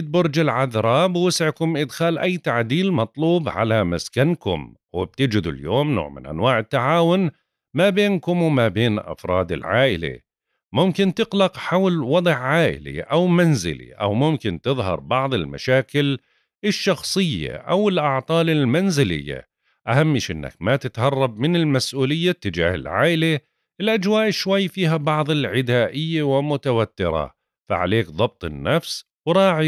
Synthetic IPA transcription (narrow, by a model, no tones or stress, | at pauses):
ɪt̪̚bʊɾˤd͡ʒɪlʕaðɾˤɑːbwɪsʕkʊmʔɪd̪xaːlʔajːt̪aʕd̪iːlmɑt̪ˤluːbʕa̰lamaskankʊ̰m | wɪ̰b̚t̪ɪd͡ʒɪd̪ṵljoːmno̰ːʕmɪnʔa̰nwaːʕɪt̪ːaʕaːwʊn | mabeːnkʊmwmabeːnʔɑ̰fɾˤɑːd̪ɪ̰lʕaːʔɪ̰la̰ | mʊmkɪnt̪ɪqlɑqħawlwɑd̪ˤʕʕaːʔɪ̰lḭʔawmanzɪ̰lḭʔa̰wmʊmkɪnt̪ɨðˤɦɑ̰ɾˤbɑʕðˤɪlma̰ʃaːkɪl | ɪʃːɑxsˤɨjːa̰ʔawɪlʔɑʕt̪ˤɑːlɪlmanzɪlɪ̰jːa̰ | ʔahamːɪʃʔɪ̰nːa̰kmat̪ɪt̪hɑrˤːɑb̚mɪnɪlmasʔuːlɪjːat̪ːɪd͡ʒa̰ːhɪ̰lʕa̰ːʔɪla | ɪlʔad͡ʒwaːʔʃwajːfiːɦabɑʕðˤɪlʕɪd̪aːʔɪjːawɪlmʊt̪awat̪ːɪ̰ɾˤɑ̰ | fa̰ʕa̰leːkðˤɑb̚t̪ˤɪnːafs | wɾˤɑːʕi